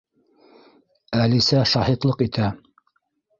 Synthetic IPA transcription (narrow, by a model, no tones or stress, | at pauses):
ælisæʃɑhit̪lˠɤqit̪ʰæ